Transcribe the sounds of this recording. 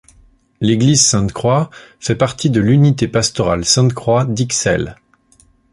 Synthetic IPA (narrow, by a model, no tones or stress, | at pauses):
leɡlizsɛ̃t̪kχwafɛpaʁt̪id̪əlynit̪epast̪ɔʁalsɛ̃t̪kχwad̪iksɛ̰l